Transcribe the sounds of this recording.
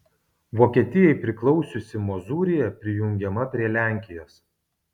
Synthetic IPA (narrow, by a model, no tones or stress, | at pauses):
ʋoːkʲiɛt̪ʲɪjɛɪpʲɾʲɪklˠɒʊsʲʊsʲɪmɔzuːɾʲɪjɛpʲɾʲɪjʊŋʲɡʲɛmɐpʲɾʲiɛlʲæˑŋʲkʲɪjoːs